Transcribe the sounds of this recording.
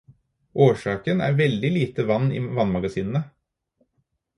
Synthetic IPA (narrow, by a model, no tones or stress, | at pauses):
ʔoːʂɑːkənæ̰ːɾʋɛld̪ɪliːt̪əʋɑnːḭːʋɑnmɑɡɑsiːnn̩ə